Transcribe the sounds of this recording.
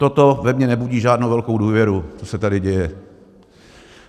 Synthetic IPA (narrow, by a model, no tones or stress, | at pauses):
t̪ot̪o̞vɛmɲɛnɛbuɟiːʒaːdnowvɛlkowduːvjɛɾut͡sosɛt̪adɪɟɛjɛ